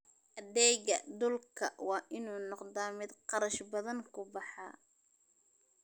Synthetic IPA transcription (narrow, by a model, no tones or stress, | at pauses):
ʔɐðɛːɣɐd̪ʊlkʰɐwɑːʔɪnuːnɔqd̪aːmɪd̪qɑɾɐʃbɐðɐŋkʰʊbɑħɑ̰ː